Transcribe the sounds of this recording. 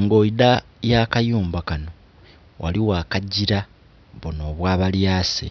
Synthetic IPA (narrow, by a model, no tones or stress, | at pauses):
ŋɡo̞jida | jaːkajuːmbakano̞ | wʔa̰liwaːkaɟiɾa | βuno̞ːβwaːβaljaːsḛ